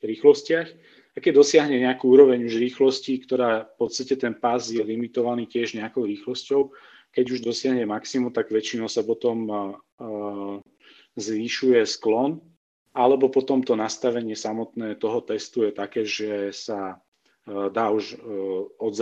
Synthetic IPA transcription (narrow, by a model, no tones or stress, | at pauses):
ɾiːxlɔscɪax | akɛɟ̚d̪ɔsɪaɦɲɛɲɛakuːuːɾɔʋɛɲuʒɾiːxlɔscikt̪ɔɾaːfpɔt̪st̪acɛt̪ɛnpazjɛlimit̪ɔʋaniːcɪɛʒɲɛakɔʊɾiːxlɔscɔʊ | kɛɟuʒd̪ɔsɪaɦɲɛmaksimut̪aɡʋɛt͡ʃinɔʊsapɔt̪ɔm | zʋiʃujɛsklɔn | alɛbɔpɔt̪ɔmt̪ɔnast̪aʋɛɲɪɛsamɔt̪nɛːt̪ɔɦɔt̪ɛst̪ujɛt̪akɛːʒɛsa | d̪aːuʒ | ɔd̪z